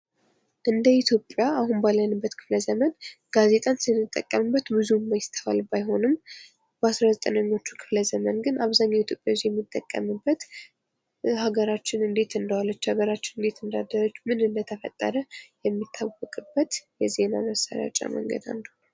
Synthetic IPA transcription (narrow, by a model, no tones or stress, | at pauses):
ʔɨnd̪əit̪ʰjo̞pʼːjaahunbalːənɨbːət̪kʰɨ̥fləzəmənɡ̥aze̞t̪ʼansɨnːɨt̪ʼːə̰kʼːəmɨbːət̪bɨzumːajɪst̪ʰəfa̰lbajɦo̞nɨm | b̥əasɾazət̪ʼənəɲːo̞t͡ʃːukʰɨ̥fləzəmənɡɨnaβzaɲːawit̪ʰjo̞pʼjawst̪jɛmːit̪ʼːəkʼːə̰mɨbːət̪ | haɡəɾat͡ʃːɪnɨnd̪e̞t̪ɨnd̪alːət͡ʃːhaɡəɾat͡ʃːɪnɨnd̪e̞t̪ɨnd̪ad̪əɾot͡ʃːmɨnɨnd̪ət̪ʰəfət̪ʼːə̰ɾəjɛmːit̪ʰːawɔkʼɨbːət̪jɛze̞na̰məsa̰ɾja̰t͡ʃʼːa̰mə̰ŋɡə̰d̪a̰nd̪un